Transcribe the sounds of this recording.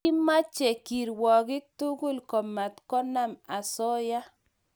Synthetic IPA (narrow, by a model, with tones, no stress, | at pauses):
ɪ˦ma˦t͡ʃɛ˨ki˨ɾwɔ˨kɪ˦k̚tu˦ɡu˦˨lkɔ˨ma˨tkɔ˦na˦˨ma˨sɔ˦ja˦